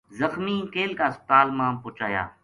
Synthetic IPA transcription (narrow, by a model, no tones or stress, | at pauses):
zəxmiːkeːlkaːst̪aːlmãːpʊt͡ʃaːja̰ː